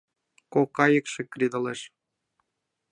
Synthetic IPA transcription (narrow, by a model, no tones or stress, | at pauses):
kokɑjəkʃĕkrid̪ɤ̆leʃ